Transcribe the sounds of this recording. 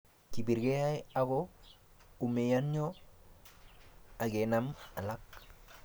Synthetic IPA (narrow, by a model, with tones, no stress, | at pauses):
ki˨bi˨ɾɡe˦ja˦ja˦ɡo | u˨me˨ja˦nɲo˦ | a˨ɡe˨na˦ma˨la˦k̚